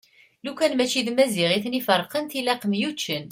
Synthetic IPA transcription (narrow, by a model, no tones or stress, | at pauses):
lukænmæt͡ʃːiðmæziʁiθnifəɾˤqənt̪ilæqəmjut͡ʃːən